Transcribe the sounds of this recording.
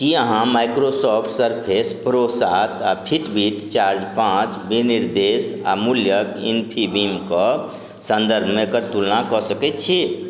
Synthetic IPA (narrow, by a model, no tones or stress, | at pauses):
kiəɦãmajkɾosɔpʰʈsəɾpʰespɾosat̪apʰiʈbiʈt͡ʃaɾd͡ʒpãt͡ʃbiniɾd̪esa̰muljəkḭnpʰibimkɔ | sə̃nd̪əɾbʱmẽkəɾt̪ulnakɔsəkɛt̪t͡ʃʰi